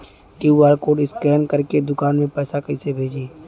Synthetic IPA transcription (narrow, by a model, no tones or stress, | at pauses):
kiwaːɾkoːɖɪskɛːnkəɾked̪ʊkaːnmẽpɛːsakəisebʱeːd͡ʒeː